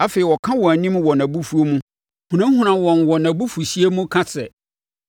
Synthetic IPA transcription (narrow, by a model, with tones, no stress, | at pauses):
a˦feː˨i˨wɔ˨kʰã˦wɔ̃˨æ˨nĩ˦mwɔ˨næ̃˨bu˦fu˦o˦mũ˦ | bũ˨nã˦hũ˦nã˨wɔ̃˨nwɔ˨nã˨bu˦fu˨ɕi˦e˦mũ˦kʰã˦sɛ˨